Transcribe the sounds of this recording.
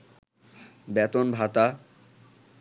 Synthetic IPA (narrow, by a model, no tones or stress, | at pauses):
bɛt̪onbʱat̪a